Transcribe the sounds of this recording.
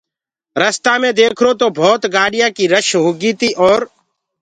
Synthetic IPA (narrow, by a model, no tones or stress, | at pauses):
ɾəst̪ãːmẽːd̪eːkʰɾoːt̪oːbʱoːt̪ɡaːɗɪjãːkiːɾəʃɦuːɡiːt̪iːʔɔːɾ